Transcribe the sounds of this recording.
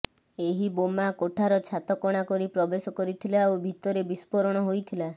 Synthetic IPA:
eɦibomakoʈʰaɾɔt͡ʃʰat̪ɔkɔɽ̃akɔɾipɾɔbesɔkɔɾit̪ʰilaobʱit̪ɔɾebispɔɾɔɽ̃ɔɦojt̪ʰila

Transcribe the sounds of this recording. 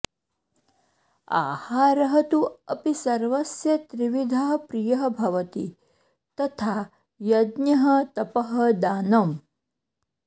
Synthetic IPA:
a̰ːhaːɾɐɦɐt̪uɐpisɐɾʋɐsjɐt̪ɾiʋid̪ʱɐɦɐpɾijɐɦɐbʱɐʋɐt̪ḭ | t̪ɐt̪ʰaː | jɐd̪njɐɦɐ̆t̪ɐpɐɦɐ̆d̪aːnɐm

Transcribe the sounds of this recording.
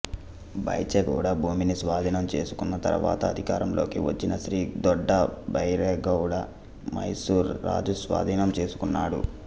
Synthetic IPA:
bɐ̰jt͡ʃeɡɐ̰wɽɐbʱuːminisʋaːd̪ʱiːnɐmt͡ʃe̞ːsu̥kunːɐt̪ɐ̰ɾʋa̰ːt̪ɐːd̪ʱikaːɾɐmlʔo̞ːkiʋɐt͡ʃːinɐʃɾiːd̪ɔɖːɐbɐjɾeːɡɐwɽɐ | mɐ̰jsuːɾːa̰ːd͡ʒusʋa̰ːd̪ʱiːnɐmt͡ʃe̞ːsu̥kunːaːɽṵ

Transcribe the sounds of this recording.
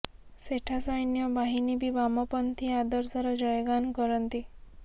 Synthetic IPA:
seʈʰasɔjnjɔbaɦinibibamɔpɔnt̪ʰiad̪ɔɾsɔɾɔd͡ʒɔjɡankɔɾɔnt̪i

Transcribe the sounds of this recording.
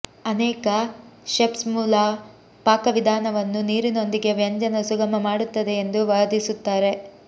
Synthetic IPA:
ɐnɛːkɐʃepsmuːlɐ | paːkɐʋid̪ʱaːnɐʋɐnːuniːɾino̞nd̪iɡe̞ʋjɐɲd͡ʒɐnɐsuɡɐmɐmaːɽut̪ːɐd̪e̞ːnd̪uʋaːd̪isut̪ːaːɾe̞

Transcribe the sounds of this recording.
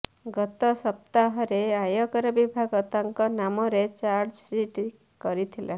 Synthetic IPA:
ɡɔt̪ɔsɔp̚t̪aɦɔɾeajɔkɔɾɔbibʱaɡɔt̪aŋkɔnamɔɾet͡ʃaɾd͡ʒsiʈ | kɔɾit̪ʰila

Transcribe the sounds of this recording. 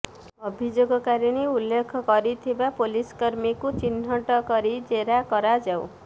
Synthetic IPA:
ɔbʱid͡ʒoɡɔkaɾiɽ̃iulːekʰɔkɔɾit̪ʰibapoliskɔɾmikut͡ʃin̤ːɔʈɔkɔɾid͡ʒeɾakɔɾad͡ʒaw

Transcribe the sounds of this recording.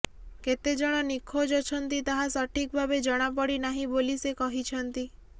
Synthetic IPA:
ket̪ed͡ʒɔɽ̃ɔnikʰod͡ʒɔt͡ʃʰɔnt̪it̪aɦasɔʈʰik̚bʱabed͡ʒɔɽ̃apɔɽinaɦĩbolisekɔɦit͡ʃʰɔnt̪i

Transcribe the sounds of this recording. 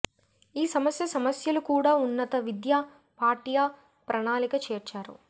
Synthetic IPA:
iːsɐmɐsjɐsɐmɐsjɐlukuːɽaːunːɐt̪ɐʋid̪jaː | paːʈijaː | pɾɐɳaːlikɐt͡ʃeːɾt͡ʃaːɾṵ

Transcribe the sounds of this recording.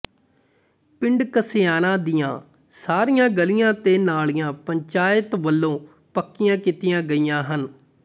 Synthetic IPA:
pɪ̃ɳɖkəsɪjaːnãːd̪ɪjãː | saːɾijãːɡəlɪjãːt̪eːnaːlijãːpəɲt͡ʃaːɪt̪ʋəlːõː | pəkːɪjãːkit̪ɪjãːɡəijãːɦən

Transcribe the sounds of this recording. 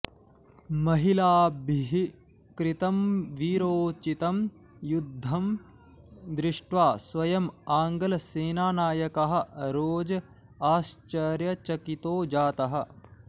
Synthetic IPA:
mɐɦilaːbʱiɦi | kɾit̪ɐmʋiːɾoːt͡ʃit̪ɐm | jud̪ʱːɐm | d̪ɾɪʂʈʋaːsʋɐjɐmaːŋɡɐlɐseːnaːnaːjɐkɐɦɐ̆ɾoːd͡ʒɐ | aːst͡ʃɐɾjɐt͡ʃɐkit̪oːd͡ʒaːt̪ɐɦɐ̆

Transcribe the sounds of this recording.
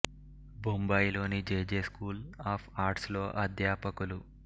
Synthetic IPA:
bumbɐjlo̞ːnid͡ʒeːd͡ʒeːskuːlaːpʰaːɾʈslo̞ːʔɐd̪ʱjaːpɐkulu

